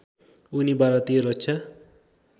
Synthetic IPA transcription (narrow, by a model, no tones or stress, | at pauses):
unibaɾʌt̪ijeɾʌt͡sʰʌ